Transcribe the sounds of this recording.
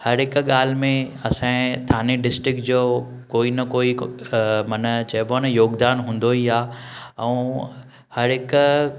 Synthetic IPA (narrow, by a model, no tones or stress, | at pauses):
hɐɾɦɪkɠaːl̤mẽɐsãt̪ʰaːneɖɪsʈɾɪk̚ʈd͡ʑoː | koːinɐkoːi | mɐnət͡ɕɐbanɐjoːɡd̪aːnɦũːn̆d̪oɦiaːɛ̃ː | hɐɾɦɪk